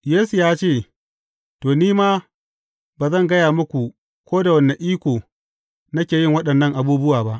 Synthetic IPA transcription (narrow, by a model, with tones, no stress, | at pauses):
jeː˦su˨jaː˦t͡ʃeː˦˨ | toː˨niː˦maː˦ | baː˨zɐ˦ŋɡɐ˦jaː˨mʊ˦kʷu˨ | kʷoː˦da˨wɐ˦nːɐ˨ʔiː˦kʷoː˨ | nɐ˦kʲeː˨jɪ˦˨ŋwɐ˦ɗɐ˨nːɐ˦˨ŋʔa˨buː˦bʊ˦waː˨ba˦ʔ